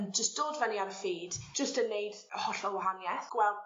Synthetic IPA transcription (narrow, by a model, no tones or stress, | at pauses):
nd͡ʒəstd̥oːdvɛniaɾəfiːdd͡ʒəstənːejd | hɔɬɔwaɦanjɛθɡ̥wɛlˠd